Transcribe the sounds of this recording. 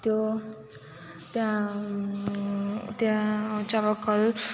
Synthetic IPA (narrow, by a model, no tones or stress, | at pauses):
t̪jo | t̪jã | t̪jãt͡sabʌkːʌl